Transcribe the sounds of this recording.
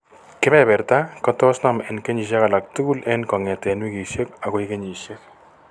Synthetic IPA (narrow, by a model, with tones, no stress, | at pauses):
kɪ˦mɛ˨bɛ˨ɾta˦kɔ˦tɔ˦sna˨mɛ˨nke˦ɲi˨ʃ̬a˦ka˨la˨k̚tu˦ku˦lʔɛ˦nkɔ˨ŋɛ˨tɛ˨nwi˦ki˨ʃje˦k̚a˨ko˨˦ike˦ɲi˨ʃje˦k